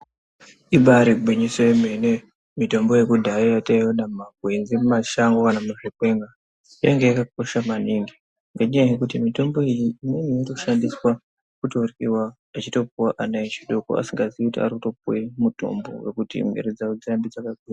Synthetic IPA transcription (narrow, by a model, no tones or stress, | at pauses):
iɓaɾiɡwiɲisojeme̞ne | mito̞mbo̞je̞kudʱaijataiwonamaɡʱwenzimumaʃaŋɡokanamaʐokwe̞ŋɡa | ijaŋɡe̞jakak̚o̞ʃamaniŋɡi | ŋɡaɲajajekutimito̞mbo̞ijiimenijirouʃandiswa | kutorkiwaː | t͡ʃito̞p̚uwaʔanait͡ʃiɗoko̰a̰siŋɡaziikutia̰ɾikuto̞p̚uwemuto̞̰mbo̞̰we̞kutḭmwe̞̰ɾed͡zaud͡ziambid͡zakakija